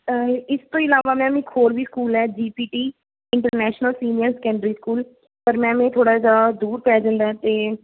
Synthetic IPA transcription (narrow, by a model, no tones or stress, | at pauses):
ɪst̪õːɪlaːʋaːmɛ̃ːmẽːkʰoːɾʋiːskuːlɛːd͡ʒiːpiːʈiː | ɪɳʈəɾnɛːʃnəlsiːnɪjəɾskɛ̃ːɳɖɾiːskuːl | pəɾmɛ̃ːmẽːt̪ʰoːɽaːsaːd̪uːɾpɛːd͡ʒãːnd̪aːɛːt̪eː